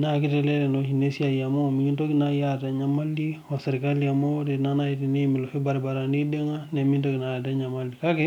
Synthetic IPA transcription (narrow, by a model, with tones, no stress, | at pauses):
naki˦tɛle˦le˨nohi˨ne˦si˦a˨jamo˦˨miɡi˦nto˦kinajata˨ɲamaldi˦wa˨seɾi˨kaliamo˦de˨na˦na˦iti˨nemi˨lo˨fe˦baɾba˨ɾa˨ndi˦de˦ŋa˦ne˨mi˦ntoki˨najata˦ɲa˨maldi˨kakɛ